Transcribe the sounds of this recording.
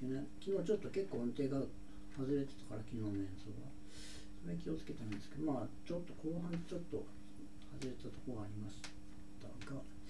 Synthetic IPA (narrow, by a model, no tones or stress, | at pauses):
enekʲino̞ːt͡ɕo̞t̪ːo̞ke̞kːoːõnt̪e̞ːɡa | hazɨɾe̞t̪e̥t̪ḁkaɾakʲinoːnẽɰ̃soːɡa̰ | soɾekʲio̞t͡sɨ̥ke̞t̪aɾɯ̃nd̪e̞sɨ̥ke̞omaː | t͡ɕo̞t̪ːo̞kʰo̞ːɦãnt͡ɕo̞t̪ːo̞ | hazɨɾe̞t̪et̪at̪o̞̥kooɡaːɾʲimaɕi̥ | t̪a̰ɡa